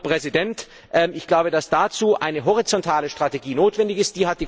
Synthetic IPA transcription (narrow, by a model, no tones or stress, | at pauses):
pʁ̥ɛzidɛnt | ʔɛmɪçɡ̥laʊbədasd̥aːt͡suːʔa̰ɪnəɦɔʁ̞it͡sɔntʰaːləʃtʁ̥ateɡiːnoːtv̥ɛndɪçɪst̚d̥iːɦat̚d̥iː